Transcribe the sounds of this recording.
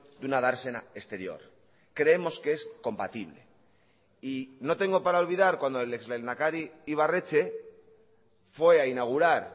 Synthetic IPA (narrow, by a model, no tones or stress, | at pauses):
d̪unað̞aɾse̞nae̞st̪e̞ɾjo̞̰ɾ | kɾe̞emo̞skee̞sko̞mpat̪iβle̞̰ | ino̞t̪e̞ŋɡo̞paɾao̞lβiðaɾkwand̪oelekzlenakaɾiiβ̞are̞t͡ʃe̞ | fwe̞ainaɣ̞uɾaɾ